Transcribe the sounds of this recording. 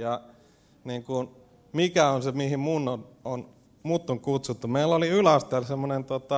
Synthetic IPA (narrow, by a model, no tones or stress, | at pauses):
jɑ | niːŋkun | mikæonsemihimmunːonon | mut̪ːoŋkut̪sut̪ːumeilːoliylæst̪elsemːonent̪uot̪ɑ